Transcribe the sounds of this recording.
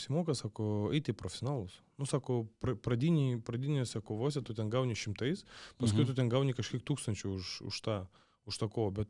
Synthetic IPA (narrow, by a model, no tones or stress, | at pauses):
sʲɪmoːkɐsɑːkoɛt̪ʲɪpɾofʲsʲonaːlˠʊs | nʊsɑːkopɾɐpɾɐd̪ʲiːnʲɪpɾɐd̪ʲinʲosʲɑkoʋoːsʲɛt̪ʊt̪ʲɛnɡɐwnʲɪʃʲɪmt̪ɐɪspɐskʊɪjt̪ʊt̪ʲɛnɡɐʊnʲɪkɐʃkʲiɛk̚t̪uːkst̪ɐnʲt͡ʃʲʊʊʃʊ̰ʃt̪ɑː | ʊʃt̪ɐkoːobʲɛt̪